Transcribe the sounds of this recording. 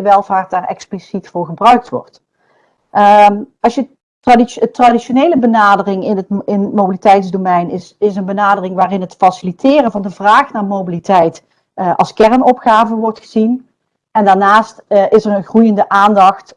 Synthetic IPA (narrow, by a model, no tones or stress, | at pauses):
əʋɛlˠvaːɹt̚daːɹɛ̰ksplisitfʊːɹχəbrœɥk̚tʋɔ̰rt | ɑsʃjə | tradiətradiʃonejləbənaːdərɪŋɪnətɪnmowbilitɛjtzdomɛjnɪsɪsənbənaːdərɪŋʋaːrɪnɦətfɑsɪlitʰɪːrənvɑndəvraːxnaːɹmowbilitɛjt | ʔɑlˠskɛɹnɔpxaːvəʋɔɹtxəzin | ɛndaːɹnaːstɪsərənxrujəndəʔaːndɑxt